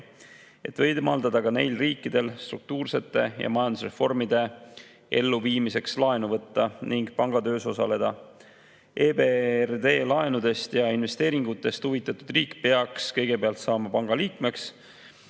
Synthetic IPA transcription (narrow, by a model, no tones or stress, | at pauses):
e̞t̪vɤjd̪mɑld̪ɑd̪̥ɑɡ̥ɑne̞̰jlriːkːˑid̪̥e̞lst̪ɾuk̚t̪uːrse̞t̪ːˑe̞jɑ̰mɑjɑnd̪usre̞fo̞rmid̪e̞ | e̞lːuviːmise̞kslɑe̞nuvɤt̪ːɑniŋɡ̥pɑŋɡ̥ɑd̪ø̞ːso̞sɑ̰le̞d̪̥ɑ̰ | ʔeːberd̪e̞ːlɑenud̪e̞st̪jɑinve̞st̪eːɾiŋɡ̥ut̪ːˑe̞st̪huvit̪ːˑɑt̪ːˑud̪riːkpeɑkskɤjɡ̥e̞peɑlt̪sɑːmɑpɑŋɡ̥ɑliːkme̞ks